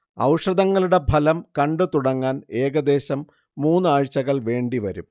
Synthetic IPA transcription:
ɐ̰wʂrɐd̪ɐŋːɐɭuɽe̞bʱɐlɐmkɐɳɖɨt̪uɽɐŋːaːne̞ːɡɐd̪e̞ːɕɐmː | uːnːɨaːɻt͡ɕːɐɣɐɭʋe̞ːɳɖiʋɐɾum

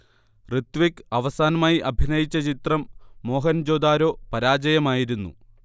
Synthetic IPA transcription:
rɨt̪ʋikːɨɐʋɐsaːnɐmaːjiʔɐbʱinɐjit͡ɕːɐt͡ɕit̪rɐmːo̞ːɦɐnd͡ʑoːd̪aːɾo̞ːpɐɾaːd͡ʑɐjɐmaːjiɾunːṵ

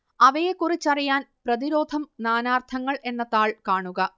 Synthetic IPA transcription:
ɐʋɐjekːurit͡ɕːɐrijaːnprɐðiɾo̞ːd̪ʱɐmnaːnaːrt̪ʰɐŋːɐɭʔe̞nːɐt̪aːɭkaːɳuɣɐ

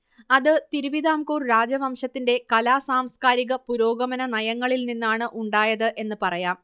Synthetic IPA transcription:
ɐðɨt̪iɾuʋiðaːmkuːrɾaːd͡ʑɐʋɐmʂɐt̪ːinde̞kɐlaːsaːmskaːɾiɣɐpuɾoːɡɐmɐnɐnɐjɐŋːɐɭilninːaːɳɨʔuɳɖaːjɐðɨʔe̞nːɨpɐrɐjaːm

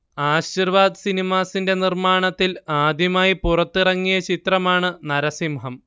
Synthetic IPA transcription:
aːɕirʋaːd̪ɨsinimaːsinde̞nirmaːɳɐt̪ːilaːd̪ʱjɐmaːjipurɐt̪ːirɐŋːijɐt͡ɕit̪rɐmaːɳɨnɐɾɐsimɦɐm

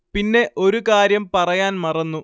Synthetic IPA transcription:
pinːe̞ʔo̞ɾukaːɾjɐmpɐrɐjaːnmɐrɐnːu

